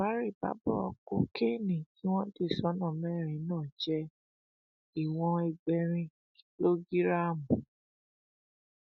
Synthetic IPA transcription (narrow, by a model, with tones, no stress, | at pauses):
a˨˦ɾi˦˨ba̰˨˦bɔ˦ɔ̰˧ko˧˦ke˦˨nĩ˨ki˦w̃ɔ̃˦de˦˨sɔ˨˦nã˦˨mɛ˦˨ɾ̃ĩ˨˦nãː˦˨d͡ʒɛ˦ | i˨w̃ɔ̃˧ɛ˧ɡ͡bɛ˧ɾ̃ĩ˧ | ki˦lo˦ɡi˦ɾa˦˨mũ˨